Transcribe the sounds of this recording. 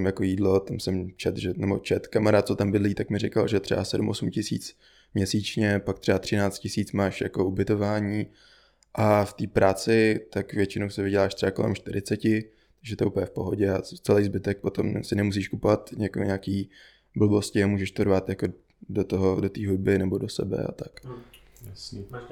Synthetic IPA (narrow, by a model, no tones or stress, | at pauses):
mjakojiːdlo̞t̪amsɛmt͡ʃɛt̪ʒɛnɛbo̞̰t͡ʃɛt̪kamaɾaːt̪̚t͡sot̪ambɪdliːt̪akmɪɾɪkalʒɛt̪r̥ɛ̰basɛdumʔosumcɪsḭːt͡s | mɲɛsiːt͡ʃɲɛpak̚t̪ɛbat̪r̝ɪnaːt͡st̪cɪsiːt͡smaːʃjako̞ubɪt̪o̞vaːɲiː | ʔaft̪iːpɾaːt͡sɪt̪akvjɛt͡ʃɪnowsɪvɪɟɛlaːʃt̪r̥ɛbako̞lɛ̰mʃt̪ɪɾɪt͡sɛcɪ | t̪aɡʒɛt̪oɛʔupəɲɛfpo̞ɦo̞ɟɛat͡sɛlɛjzbɪt̪ɛk̚po̞t̪omsɪnɛmus̬iːʃkupovat̪ɲɛkoɲaːkiː | bl̩bo̞scɪamuːʒɛʃt̪odɾvaːt̪jako | dot̪oɦodot̪iːɦud̚bɪnɛbo̞dosɛ̰bɛ̰a̰t̪ak | s